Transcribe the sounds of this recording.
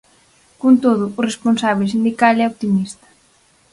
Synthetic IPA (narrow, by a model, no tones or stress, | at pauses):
kont̪oðʊːresponsaβ̞esind̪ikalɛot̪imist̪ɐ̥